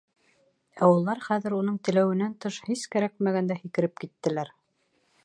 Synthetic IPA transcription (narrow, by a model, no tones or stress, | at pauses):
æwŭlˠːɑɾχæðɘ̆ɾunɤɴt̪ɘ̆læwɘ̆nænt̪ɤʃhiskæɾæk̚mæɡænd̪æhikɘ̆ɾɘp̚kit̪ːɘ̆læɾ